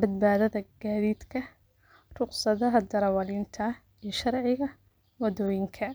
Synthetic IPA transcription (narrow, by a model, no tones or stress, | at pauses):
bɐd̪̚baːðɐðɐɡ̥aːðiːd̪kʰɐ | rʊqsɐðɐɦɐd̪ɐɾɐwɐlɪnt̪ʰɐ | ijʃɐrʕɪɣɐ | wɐðɔːjɪŋkʰɐ